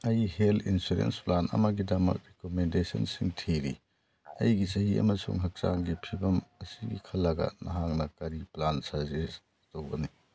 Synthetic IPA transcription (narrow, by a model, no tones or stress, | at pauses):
ɐjhelʰinsuɾḛnsplanɐ̰mɐɡidɐmɐ̰kɾikomendesɐ̰nsiŋtʰiɾḭ | ɐjɡisɐɦiʔɐ̰mɐsṵŋɦɐk̚saŋɡipʰibɐmɐsiɡḭkʰɐlːɐɡɐ̰nɐɦaŋnɐkɐɾiplansɐɾzis | towɡɐni